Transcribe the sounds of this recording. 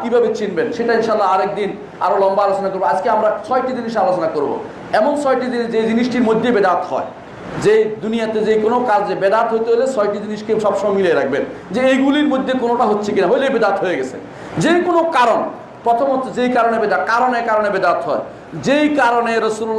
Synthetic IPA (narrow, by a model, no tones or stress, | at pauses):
kibʱabet͡ɕinbenʃeʈainʃalːaaɾek̚d̪in | a̰ɾolɔmbaalot͡ɕonakoɾboad͡ʑkeamɾat͡ɕʰɔjʈid͡ʑiniʃalot͡ɕonakoɾbo̰ | ɛmoŋt͡ɕʰɔjʈid͡ʑid͡ʑejd͡ʑiniʃʈiɾmod̪ʱːebed̪at̪ɦɔ̰e | d͡ʑejd̪unijat̪ed͡ʑejkonokad͡ʑebed̪at̪ɦojt̪eɦojlesʰɔjʈid͡ʑiniʃkeʃɔbʃɔmamilieɾak̚ʰbend͡ʑeejɡuliɾmod̪ʱːekonoʈaɦotːɕʰekinaɦojlejbed̪at̪ɦojeɡɛt͡ɕʰḛ | d͡ʑejkonokaɾon | pɾɔt̪ʰomɦot̪ːʰed͡ʑejkaɾonebed̪akaɾonekaɾonebed̪at̪ɦɔe | d͡ʑejkaɾoneɾəsul